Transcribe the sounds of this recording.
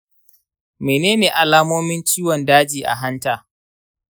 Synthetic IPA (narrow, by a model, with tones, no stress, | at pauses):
meː˨neː˦neː˨ʔa˨laː˦moː˦mɪ˦nt͡ʃiː˦wɔ˨ndaː˦d͡ʒiː˨ʔa̰˨ɦa˦ntaː˨